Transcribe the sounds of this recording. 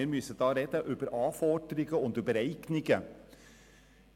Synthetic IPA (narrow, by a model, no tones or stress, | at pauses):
eɾmysət̪ɑːɾɛd̪əʔʉːbəɾʔɑːfɔːʈɾɪɡəʊnd̪əbəɾɛɪknɪɡə